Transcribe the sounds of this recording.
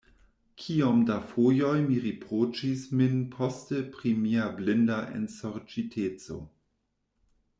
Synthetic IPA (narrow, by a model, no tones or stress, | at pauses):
kʰiomdafojojmiʁipʁot͡ʃisminpʰostepɾimiablɪndaʔḛnsoɾt͡ʃitʰet͡so̰